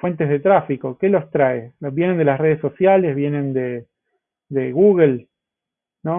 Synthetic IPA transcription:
fwe̞nt̪ezðet̪ɾafiko̞kelo̞st̪ɾaeloβje̞nend̪elasre̞ð̞esːo̞sjale̞zβje̞nẽ̞nd̪e | d̪eɣuɣel | no

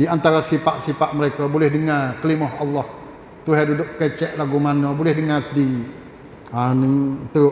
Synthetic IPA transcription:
diant̪aɾasifaʔsifaʔməɾekabolɛhdəŋarkəlimɔɦɑlːɔh | t̪uɦɛdudʊʔ̚kət͡ʃɛʔlaɡumanɔbolɛhdəŋarsədi | anəŋt̪u

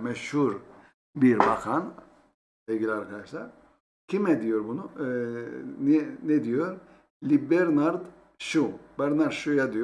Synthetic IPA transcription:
mɛʃhuɾ | biɾbakʰan | elɡilʲiaɾkʰad̪aʃlˠaɾ | cʲʰimɛd̪ijoɾbunu | niɛnɛd̪ijoɾ | lʲibɛɾnaɾd̪ | ʃubɛɾnaɾd̪ʃujad̪ij

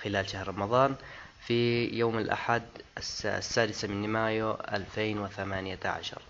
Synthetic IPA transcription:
xɪlaːlʃahɾɾˤɑmɑðˤɑːn | fijoːmɪlʔa̰ħad̪ssːaːd̪ɪsamɪnːɪmaːjuʔa̰lfeːnwɪθamaːnɪjaʕa̰ʃɑ̰ɾˤ

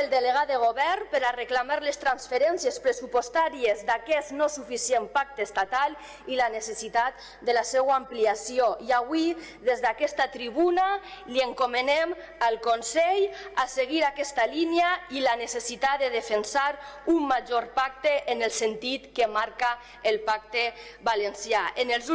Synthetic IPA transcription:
elˠd̪eleɣaðeɣ̞oβɛɾnpeɾareklamaɾlest̪ɾansfeɾɛnsjespɾesupost̪aɾiezd̪akɛsnosufisiempak̚t̪eːst̪at̪al | ilanesesit̪at̪̚ | d̪elasɛwampliasioiaβwi | ðezðakɛst̪at̪ɾiβuna | lieŋkomenɛm | alˠkonsɛʎaseɣiɾakɛst̪alinjailanesesit̪at̪d̪eð̞efensaɾumːaʒoɾpak̚t̪eʔːnelˠsent̪it̪kemaɾkaː | lˠpak̚t̪e | balensjaʔenelˠz

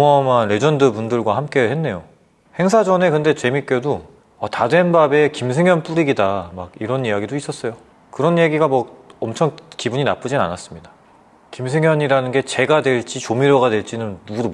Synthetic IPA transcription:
mʌmanɾe̞d͡ʑʌndɯpundɯɭɡwahamk͈e̞he̞nːe̞jo | he̞ŋsʰad͡ʑʌne̞kɯnde̞t͡ɕe̞mik͈odo | ʌtadwe̞nbabe̞kims̬ʰe̞ŋjʌnp͈uɾiɡidamaɡiɾʌnijaɡidois͈ʌs͈ʌjo | kɯɾʌnjeɡiɡamʌʌmt͡ɕʰʌŋkibuɲinap͈ɯd͡ʑina̰nas͈ɯmɲida | kimsʰe̞ŋjʌɲiɾanɯnɡe̞t͡ɕe̞ɡadwe̞ɭt͡ɕ͈it͡ɕomiɾjʌɡadwe̞ɭt͡ɕ͈inɯnːuɡudo

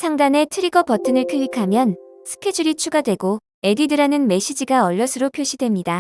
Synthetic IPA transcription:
sʰaŋdane̞tʰɯɾiɡʌpʌtʰɯnɯɭkʰɯikʰamjʌnsʰɯ̥kʰe̞d͡ʑuɾit͡ɕʰuɡadwe̞ɡo | e̞didɯɾanɯnme̞ɕ͈ʰid͡ʑiɡaʌʎːʌsʰɯɾopʰjoɕʰidwe̞mɲida

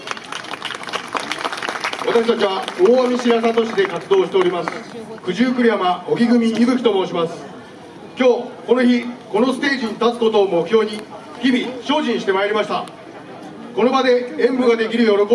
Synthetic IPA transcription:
βat̪aɕi̥t̪at͡ɕiβaoːamʲiɕiɾasat̪o̞ɕid̪e̞kat͡sɨd̪o̞ːɕi̥t̪e̞o̞ɾʲimasɨ̥kɯ̟ʑɨːkɯ̟ɾʲiamao̞kʲiɡɯ̟mʲiibɯ̟kʲi̥t̪o̞mo̞ːɕimasɨ̥ | kʲo̞ːko̞no̞çiko̞no̞sɨ̥t̪e̞ːʑiɲit̪at͡sɨ̥ko̞t̪o̞ːmo̞kɯ̟̥çjo̞ːɲ̟i | çibʲiɕo̞ːʑĩɰ̃ɕi̥t̪e̞maeɾʲimaɕi̥t̪a | ko̞no̞bad̪e̞ẽ̞mbɯ̟ɡad̪e̞kʲiɾɯ̟jo̞ɾo̞ko

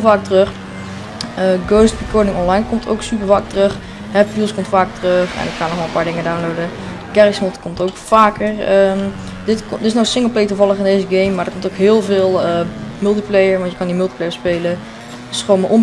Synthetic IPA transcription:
lvaːk̚trøχ | əɡoːst̚bikɔɹnɪŋɔnlajnkɔmtʰo̰wksyp̬əɹvaːk̚tərɵχ | ɦɛpfilˠskɔmtfaːkətərøχɛ̰nətχanɔχʋɛlˠəmpaːɹdɪŋədawnlowdə | kɛrɪksmɔtkɔmtowkfaːkəɹə | dɪtkdɪsnowsɪŋəl̩ˠplejtuvɑləχɪndejzəɡejmːaːdəɹkɔmtoʊkɦɪːlˠvɪːlˠəmɪlˠtiplejəɹʋɑntjəkɑndimɪlˠtiplejəɹspeːlə | ɪ̥sχʋoːmaʔom

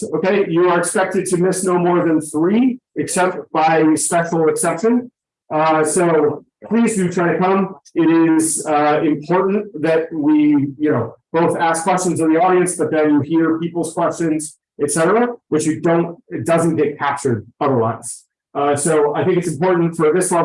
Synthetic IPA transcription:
oʊkeɪjɨə˞ɨkspɛk̚tɨd̚tʰɨmɪsnoʊmɔɹðɨ̃nθɹiɨksɛp̚t̚b̥aɪspɛʃl̩ˠəksɛpʃɨ̃n | soʊ | pʰl̥izdɨtʰaɪɾɨkʰʌ̃mɪɾɪzʌɪ̃mpʰɔɹʔn̩ðɨt̚wijɨnoʊb̥oʊθæskʰw̥ɛst͡ʃɨ̃n̩zɨ̃nðiɔɾiɨ̃nsb̥ʌt̪̚ðɨ̃njɨhiɹpʰipl̩ˠz̥kʰw̥ɛst͡ʃɨ̃nz̥ | ɨtsɛɾə˞əwɨt͡ʃjɨdõʊ̃ntd̥ʌzɨ̃nɡ̥ɛt̚kʰæp̚t͡ʃə˞ɾʌðə˞la̰ɪs | soʊaɪθɪ̃ŋkɨtsm̩pʰɔɹʔn̩tfə˞ðɪswʌ̃

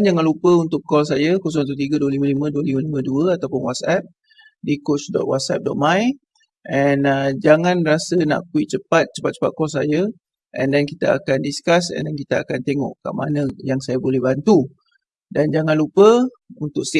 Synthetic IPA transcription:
nd͡ʒaŋanlupəunt̪ʊkːɔls̬ajəkɔsɔ̃ŋt̪ut̪iɡəduəliməlimə̃duəliməlimə̃duəat̪awpʊnwat̪̚sɛp̚ | dikot͡ʃdɔ̰t̪̚wat̪̚sɛp̚dɔʔ̪̚mãj | ʔɛnəd͡ʒaŋãnrasəna̰ʔkuiʔt͡ʃəpat̪̚t͡ʃə̥pat̪̚t͡ʃə̥pa̰t̪̚kɔlsajə | ʔɛ̰ndɛnkit̪aa̰kandiskasɛ̰̃ndɛnkit̪aakant̪eŋɔ̰ʔka̰ʔma̰nə̃jaŋsajabolɛhbant̪u | dand͡ʒaŋãnlupə | unt̪ʊks

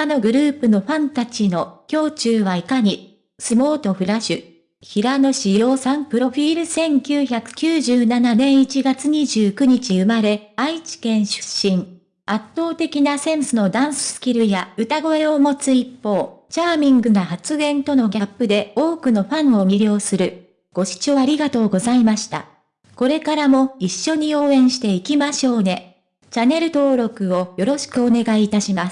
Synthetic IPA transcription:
ano̞ɡɯ̟ɾɯ̟ːpɯ̟no̞ɸãnt̪at͡ɕino̞kʲo̞ːt͡ɕɨːβaikaɲ̟i | sɨmo̞ːt̪o̞ɸɯ̟ɾaɕɨ | çiɾano̞ɕijo̞ːsãmpɯ̟ɾo̞ɸʲiːɾɯ̟sẽ̞ŋkʲɨːçakɯ̟̥kʲɨːʑɨːnananẽ̞ɰ̃it͡ɕiɡat͡sɨɲ̟iʑɨːkɯ̟ɲ̟it͡ɕiɯ̟maɾe̞ait͡ɕi̥kẽ̞ɰ̃ɕɨ̥ɕːĩɴ | at̪ːo̞ːt̪e̞kʲinasẽ̞ɰsɨno̞d̪ãɰ̃sɨ̥sɨ̥kʲiɾɯ̟jaɯ̟t̪aɡo̞e̞o̞mo̞t͡sɨipːo̞ːt͡ɕaːmʲĩŋɡɯ̟nahat͡sɨɡẽ̞nt̪o̞no̞ɡʲapːɯ̟d̪e̞o̞ːkɯ̟no̞ɸãɰ̃o̞mʲiɾʲo̞ːsɨɾɯ̟ | ɡ̥o̞ɕi̥t͡ɕo̞aɾʲiɡat̪o̞ːɡo̞zaimaɕi̥t̪a̰ | ko̞ɾe̞kaɾamo̞iɕːo̞ɲ̟io̞ːẽ̞ɰ̃ɕi̥t̪e̞ikʲimaɕo̞ːne̞ | t͡ɕane̞ɾɯ̟t̪o̞ːɾo̞kɯ̟o̞jo̞ɾo̞ɕi̥kɯ̟o̞ne̞ɡaiːt̪aɕimas

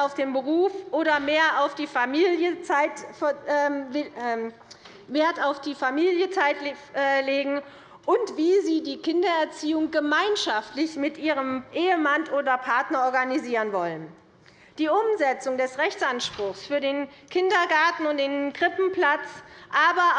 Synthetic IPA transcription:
aʊfd̥eːnbəʁ̞uːfʔoːɾɐmeːɐaʊfd̥iːfamiːljət͡saɪtː | veːɐtaʊfd̥iːfamiːljət͡saɪtːleːɡŋ̩ | ʔʊntv̥iːziːdiːkʰɪndɐɛɐt͡siːʊŋɡəmaɪnʃaftlɪçmɪtʔiːʁəmʔeːəmantʔoːdɐpʰaɐtnɐɔɐɡaniziːʁənvɔlən | d̥iːʔʊmzɛt͡sʊŋdɛsʁɛçt͡sʔanʃpʁ̥ʊxsfyːɐdeːn | kʰɪndɐɡaɐtn̩ʊnt̚d̥eːnɡʁɪpm̩plat͡sʔaːbɐ

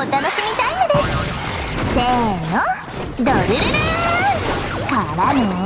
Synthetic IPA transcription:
ot̪anoɕimʲit̪ainod̪e̞sɨ̥ | d̪eno | d̪oɾɯɾɯɾɯɯ | kaɾanɯ

